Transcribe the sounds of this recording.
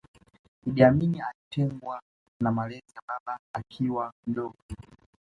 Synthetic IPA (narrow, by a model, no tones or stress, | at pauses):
iɗiaminialitɛŋɡwa | namalɛzijaɓaɓaːkʰiwamdɔɡɔ